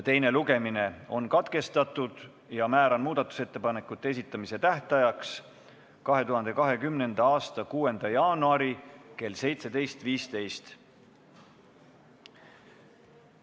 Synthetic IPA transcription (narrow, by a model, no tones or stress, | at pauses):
t̪e̞jne̞luɡe̞mine̞o̞̰nkɑt̪ke̞st̪ɑt̪ːˑud̪̥ | jɑmæːɾɑnmuːd̪̥ɑt̪ːˑu̥se̞t̪ːe̞pɑne̞kːˑut̪ˑːee̞s̬it̪ˑːɑmise̞t̪æht̪ɑjɑks | kɑɦe̞t̪uɦɑnd̪̥e̞kɑɦe̞kymne̞nd̪̥ɑɑːst̪ɑkuːe̞nd̪̥ɑjɑːnuɑɾike̞lːse̞jt̪se̞d̪e̞jst̪viːst̪e̞jst̪